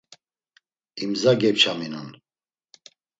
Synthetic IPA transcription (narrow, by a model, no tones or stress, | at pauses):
imzaɡɛpt͡ʃʰaminun